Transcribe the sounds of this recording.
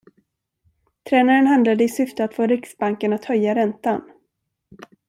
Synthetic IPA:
t̪ʰɾɛːnaɾənhand̪lad̪əɪsʏft̪əat̪foːɾɪksbaŋkənat̪hœjːaɾɛnt̪an

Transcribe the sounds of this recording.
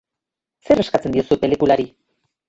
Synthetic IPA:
se̞re̞skat͡se̞nd̪iosupe̞likulaɾi

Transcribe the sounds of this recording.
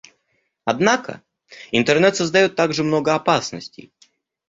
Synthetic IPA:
ɐd̪nakə̰ | ɪnt̪ərnɛt̪səzd̪ɐjot̪ːaɡʐɨmnoɡəɐpasnəsʲtʲɪ̰j

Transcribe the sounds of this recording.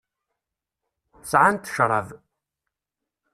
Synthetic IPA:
sʕant̪ə̥ʃɾˤɑ̰v

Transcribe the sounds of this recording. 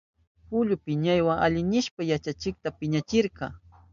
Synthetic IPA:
pʊʎʊpɪɲajwaŋʔa̰ʎɪnɪʃpajat͡ʃat͡ʃɪk̚t̪apɪɲat͡ʃɪɾqɑ

